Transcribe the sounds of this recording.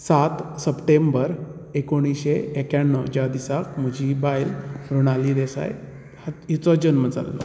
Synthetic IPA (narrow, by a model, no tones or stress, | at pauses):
sat̪səpʈembəɾekoɽ̃iɕeekaɳːɔd͡ʑad̪isakm̤əd͡ʑibajlɾuɽ̃alid̪esa̰j | haɦit͡sɔd͡ʑənməd͡za̰lːɔ̰